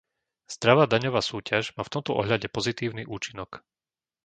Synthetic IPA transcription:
z̥d̪ɾaʋaːd̪aɲɔʋaːsuːcaʒmaːft̪ɔmt̪ɔʔɔ̰ɦʎaɟɛpɔzit̪iːʊniʔuːt͡ʃinɔk

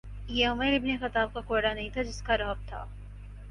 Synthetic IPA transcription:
jeʊməɾɪbnexɐt̪aːb̚kakoːɽanɐɦĩt̪ʰad͡ʒɪskaɾɐɦb̚t̪ʰa̰ː

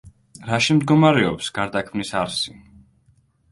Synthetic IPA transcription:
ɾaʃimd̪ɡɔmaɾɛɔpsɡ̥aɾd̪akʰmnisaɾsi

